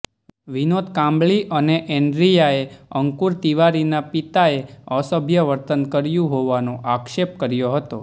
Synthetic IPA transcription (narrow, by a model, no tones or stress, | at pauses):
ʋinod̪kãmbɭiʔəneʔeɳɖɾijaeəŋkuɾt̪iʋaɾinapit̪aeəsəbʱjəʋəɾt̪ənkəɾjũɦoʋanoʔakʃep̚kəɾjoɦət̪o